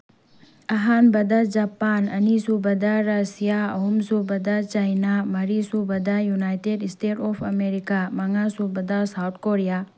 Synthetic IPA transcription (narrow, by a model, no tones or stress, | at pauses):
ɐɦanbɐd̪ad͡ʒapanɐ̰nisubɐd̪aɾasijaɐɦumsubɐd̪at͡ʃajnamɐɾisubɐd̪ajunaːjʈeɖsʈeːʈoːpʰɐmeɾikamɐŋasubɐd̪asawʈʰkoːɾija